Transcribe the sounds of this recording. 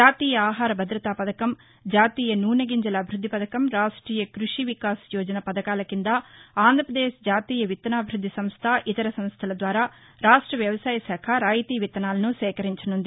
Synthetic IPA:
d͡ʒaːt̪iːjɐaːɦaːɾɐbʱɐd̪ɾɐt̪aːpɐd̪ɐkɐm | d͡ʒaːt̪iːjɐnuːɾnɐɡiɲd͡ʒɐlɐːbʱiɾud̪ʱːipɐd̪ɐkɐmɾaːʂʈɾiːjɐkɾuʂiʋikaːsjɔːd͡ʒɐnɐpɐd̪ɐkaːlɐkind̪ɐaːnd̪ɾɐpɾɐd̪eːʃd͡ʒaːt̪iːjɐʋit̪ːɐnaːbʱiɾud̪ʱːisɐmst̪ʰɐʔit̪ɐɾɐsɐmst̪ʰɐlɐd̪ʋaːɾaː | ɾaːʂʈɾɐʋjɐʋɐsaːjɐsaːkʰɐɾaːjit̪iːʋit̪ːɐnaːlɐnusɛːkɐɾiɲt͡ʃɐnund̪i

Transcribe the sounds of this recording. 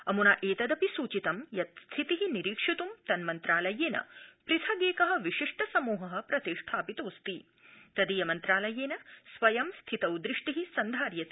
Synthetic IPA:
ɐmunaːʔeːt̪ɐd̪ɐpisuːt͡ʃit̪ɐmjɐt̪st̪ʰit̪iɦiniɾiːkʂit̪umt̪ɐnmɐnt̪ɾaːlɐjeːnɐ̰pɾit̪ʰɐɡeːkɐɦɐ̆ʋiʂiʂʈʰɐsɐmuːɦɐɦɐ̆pɾɐt̪iʂʈʰaːpit̪oːst̪i | t̪ɐd̪ijɐmɐnt̪ɾaːlɐjeːnɐsʋɐjɐmst̪ʰit̪ɐwd̪ɾiʂʈiɦisɐnd̪ʱaːɾjɐt

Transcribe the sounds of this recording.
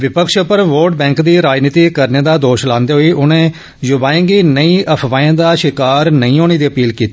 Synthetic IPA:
ʋɪpəkʃəpəɾʋoːɾɖ̚bɛ̃ːŋkd̪iːɾaːd͡ʒniːt̪iːkəɾneːd̪aːd̪oːʃlãːnd̪eːɦoːiːʔʊnẽː | jʊbaːẽːŋɡiːnəĩːʔəpʰʋãːẽːd̪aːʃɪkaːɾnəĩːoːɽ̃eːd̪iːəpiːlkiːt̪i

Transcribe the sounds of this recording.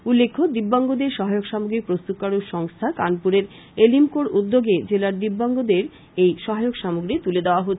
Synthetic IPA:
ulːekʰːod̪ibːaŋɡod̪eɾʃɔɦaeokʃamuɡɾik̚pɾost̪up̚kaɾuʃɔŋst̪ʰakanpuɾeɾ | elimkoɾud̪ːoɡed͡ʑelaɾd̪ibːaŋɡod̪eɾ | ejʃɔɦaeokʃamuɡɾit̪uled̪eoaɦot̪ːʰ

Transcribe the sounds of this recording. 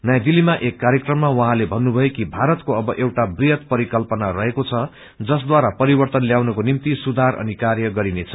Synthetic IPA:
nʌjãd̪ilːimaʔekːaɾjekrʌmːawʌɦãlebʱʌnːubʱʌjekibʱaɾʌt̪koʌbʌʔewʈabrijʌt̪̚pʌɾikʌlpʌnarʌɦekot͡sʰʌ | d͡zʌs̬d̪waɾapʌɾibʌrt̪ʌnljawnʌkonimt̪isud̪ʱaɾʔʌ̰nikarjʌɡʌɾinet͡sʰʌ̥

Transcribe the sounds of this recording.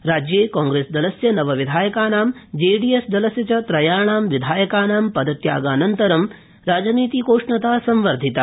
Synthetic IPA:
ɾaːd͡ʒjeːkaːŋɡɾeːsd̪ɐlɐsjɐnɐʋɐʋid̪ʱaːjɐkaːnaːmd͡ʒeːɖiːjesd̪ɐlɐsjɐt͡ʃɐt̪ɾɐjaːɳaːmʋid̪ʱaːjɐkaːnaːmpɐd̪ɐt̪ja̰ːɡaːnɐnt̪ɐɾɐm | ɾaːd͡ʒɐniːt̪ikoːʂɳɐt̪aːsɐmʋɐɾd̪ʱit̪a

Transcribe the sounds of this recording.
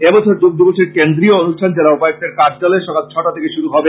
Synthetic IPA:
ebɔt͡ɕʰoɾd͡ʑuk̚d̪oboʃeɾkend̪ɾioonuʃʈʰand͡ʑelaupajk̚t̪eɾkaɾd͡ʑaleʃɔkat̪̚t͡ɕʰɔʈat̪ʰekeʃuɾuɦɔbe

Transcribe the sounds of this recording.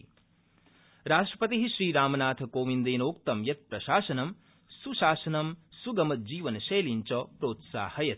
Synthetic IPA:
ɾaːʂʈɾɐpɐt̪iɦiʃɾiːɾaːmɐnaːt̪ʰɐkoːʋind̪eːnoːkt̪ɐmjɐt̪̚pɾɐʃaːʃɐnɐm | suʃaːʃɐnɐmsuɡɐmɐd͡ʒiːʋɐnɐʃeːliɲt͡ʃɔːpɾoːt̪sa̰ːhɐjɐt̪

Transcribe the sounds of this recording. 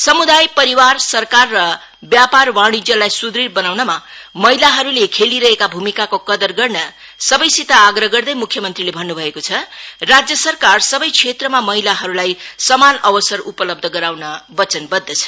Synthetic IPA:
sʌmud̪ajpʌɾiwarsʌrkarːʌ | bjaparwaɽ̃id͡zʌlajsud̪ɾirbʌnawnʌmamʌɦilaɦʌɾulekʰeliɾʌɦekabʱumikakokʌd̪ʌrɡʌrnʌ | sʌbʌjsit̪aːɡɾʌɡʌrd̪ʌjmukʰːjʌmʌnt̪rilebʱʌnːubʱʌekot͡sʰʌrad͡zjʌsʌrkarsʌbʌjt͡sʰet̪rʌmamʌɦilaɦʌɾulajsʌmanʌbʌsʌrupʌlʌb̚d̪ʱʌɡʌɾawnʌbʌt͡sʌnbʌd̪ːʌt͡sʰʌ̥

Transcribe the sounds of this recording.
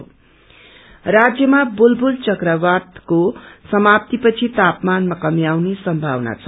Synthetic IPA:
rad͡zjʌmabulbult͡sʌkrʌbad̪kosʌmap̚t̪ipʌt͡sʰit̪apmanmakʌmjawnesʌmbʱawna̰t͡sʰʌ

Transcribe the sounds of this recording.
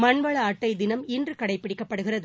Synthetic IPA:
mɐɳʋɐɭɐːʈːɐɪd̪ɪnɐmɪndrɯkɐɽɐɪpːɪɽɪkːɐpːɐɽɯɣɪrɐðɯ

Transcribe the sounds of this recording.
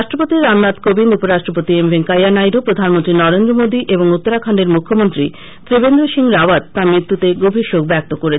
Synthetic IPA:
aʃʈɾopot̪iɾamnat̪kobinupoɾaʃʈɾopot̪iemveŋkajanajɾopɾod̪ʱanmont̪ɾinɔɾend̪ɾomod̪iʔeboŋut̪ːoɾakʰaɳɖeɾmukʰːomont̪ɾi | t̪ɾebend̪ɾoʃiŋɾaʋad̪t̪aɾmɾit̪ːɾut̪eɡobʱiʃok̚bɛk̚t̪okoɾet͡ɕʰ

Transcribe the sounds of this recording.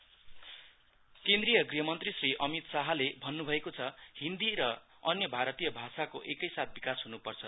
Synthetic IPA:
kend̪rijʌɡriɦʌmʌnt̪risriʔʌmit̪saɦalebʱʌnːubʱʌekot͡sʰʌhind̪iɾʌ | ʌnjʌbʱaɾʌt̪ijʌbʱasakoʔekʌjsat̪̚ʰbikasɦunupʌrt͡sʰʌ

